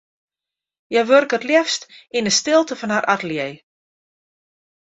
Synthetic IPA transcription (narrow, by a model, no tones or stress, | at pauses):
jɛjʋørkətljɛfstinəstɪlˠtəfɔnɦaɾʔatəljej